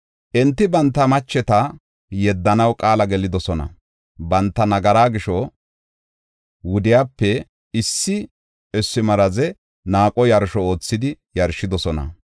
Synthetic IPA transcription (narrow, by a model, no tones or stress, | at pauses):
ʔɛnt̪ːɪbɐnt̪ːɐmɐt͡ʃːɛt̪ɐ | jɛd̪ːɐnɐwkʼaːlɐɡɛlɪd̪ɔsɔnɐ̰ | bɐnt̪ːɐnɐɡɐɾaːɡɪʃɔ | wʊd̪ɪjaːpːɛ | ɪsːɪ | ɛsːɪmɐɾɐzɛ | naːkʼɔjɐɾʃɔoːt͡sːɪd̪ɪ | jɐɾʃɪd̪ɔsɔnɐ̰